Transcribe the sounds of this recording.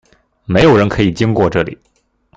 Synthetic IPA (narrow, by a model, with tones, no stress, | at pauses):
me˧˥ɪjo˨˩ʊɻə˧˥nkʰɤ˧˥i˨˩t͡ɕi˥ŋkwɔ˥˧ʈ͡ʂɤ˥˩lḭ˨˩˦